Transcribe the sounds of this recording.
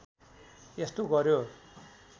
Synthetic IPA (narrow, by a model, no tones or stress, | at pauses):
est̪oɡʌɾjo